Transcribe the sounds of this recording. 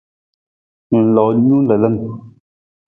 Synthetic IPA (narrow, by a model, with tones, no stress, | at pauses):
n̩˨lɔ˨ɲu˦n̩˦lə˨lə˦m